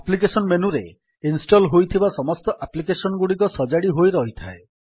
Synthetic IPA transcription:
aplik̬esɔnmenuɾe | insʈɔlɦojt̪ʰibasɔmɔst̪ɔʔaplik̬esɔnɔɡuɽik̬ɔsɔd͡ʒaɽiɦojɾɔɦit̪ʰae

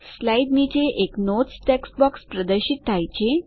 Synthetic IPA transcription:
slaiɖnit͡ɕeʔeknot͡sʈeksbɔkspɾəd̪əɾɕit̪t̪ʰːajt͡ɕe

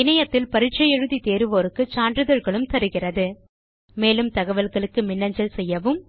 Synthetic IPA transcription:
ɪnɐjɐt̪ːɪlpɐɾɪʈt͡ʃːɐjɛɻɯðit̪eːɾɯʋoːɾɯkːɯt͡ʃaːndrɾɯðɐɾɣɐɭɯmt̪ɐɾɯɣɪrɐðɯ | meːlɯmt̪ɐɣɐʋɐlɣɐɭɯkːɯmɪnːɐɲd͡ʒɐlsɛjːɐʋɯm

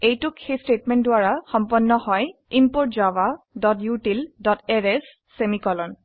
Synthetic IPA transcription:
ejtʊkxejstetmɛntdʊaɹaxɔmpɔnːɔhɔjimpoɹt̚zawa | dɔtjutildɔtɛɹɛsː | emikɔlɔn

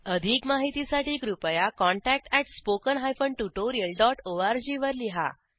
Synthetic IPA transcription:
əd̪ʱiːkmaɦit̪isaʈiːkɾupəjakɔɳʈæk̚ʈɛʈspokənɦajfəɳʈuʈoɾiəlɖɔʈoʋaɾd͡ʑiʋəɾliɦa̰

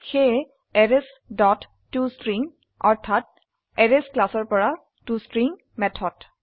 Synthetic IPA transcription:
xe | ɛɹes | dɔtː | ustɹiŋ | ɔ̰ɹtʰat̚ | ɛɹesklasɔɹpɔɹa | tustɹiŋ | mɛtʰɔt

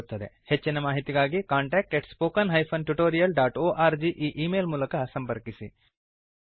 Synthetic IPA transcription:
t̪ːɐd̪e̞het͡ʃːinɐmaːɦit̪iɡaːɡikaːɳʈeːk̚ʈeʈspoːkɐnɦɐjpʰɐnʈuʈoːɾijɐlɖaːʈoːʔaːɾd͡ʒiʔiːʔiːmeːlmuːlɐkɐsɐmpɐɾkisi

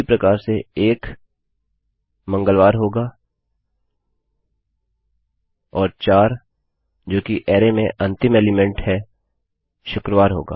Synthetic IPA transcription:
ipɾɐkaːɾseeːk | mɐ̃ŋɡəlʋaːɾɦoːɡaː | ɔːɾt͡ʃaːɾ | d͡ʒoːkiʔɛːɾemẽʔɐ̃nt̪ɪmeːlɪmɛ̃ɳʈhɛ | ʃʊkɾəʋaːɾɦo̰ːɡa̰ː

